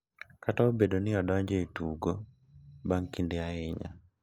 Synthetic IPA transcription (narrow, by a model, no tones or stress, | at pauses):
kataobedonɪɔdɔɲd͡ʒeetuɡo | baŋkindɛaɪɲa̰